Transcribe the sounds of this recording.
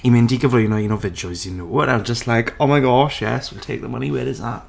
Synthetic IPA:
imɪ̃ndiːɡəvlɔjənojənovɪd͡ʒɔɪzənoːəɾaɪwzd͡ʒəstlajkʰoːmaɪɡɔʃjɛ̰swilˠtʰeɪk̚ðəməniwɪɾɪzða̰ʔ

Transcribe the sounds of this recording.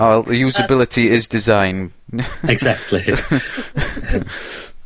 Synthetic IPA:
lˠjuːzəbɪlɪtʰiɪzdɪzãɪ̃n | ɛɡzak̚tʰˡli

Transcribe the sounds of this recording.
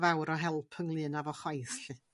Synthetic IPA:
vawɾɔɦɛlˠpʰəŋlˠɨnavɔχajθɬɨ

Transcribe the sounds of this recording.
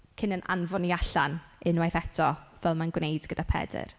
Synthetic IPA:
kʰɪnənʔa̰nvɔniaɬanɪnwajθɛtʰɔvɛlˠmanɡwnejdɡədapʰɛ̰dɪ̰r

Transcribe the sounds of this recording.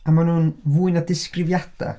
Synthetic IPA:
amanuːnvuːɨnadɪskrɪvjad̥a̰

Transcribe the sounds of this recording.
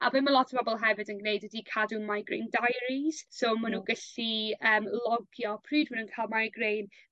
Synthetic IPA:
a̰bɪmalˠɔtʰəb̥ɔbɔlˠɦɛvɨdənɡnejdwədikʰadunmajɡrḛːndajɾiz̥somanuːɡəɬiəːmlˠɔɡjɔpʰriːdwənənkʰaːlˠmajɡrejn

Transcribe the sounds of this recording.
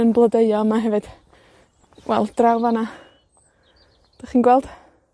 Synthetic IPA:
ənblˠədeɨɔmaɦɛvɨd̥ | wʔɛ̰lˠd̥rawvana | d̥aχiːnɡwɛlˠd̥

